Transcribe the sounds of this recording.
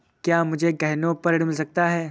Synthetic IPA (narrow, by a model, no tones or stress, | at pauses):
kjaːmʊd͡ʒʱeɡɐɦnõpɐɾɽmɪlsɐk̚t̪aɦɛː